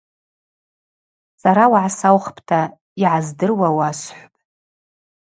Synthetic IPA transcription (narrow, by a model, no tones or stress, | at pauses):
saɾawaʕasawχpʼʰtʰa | iʕazdɨrwawasħʷpʼ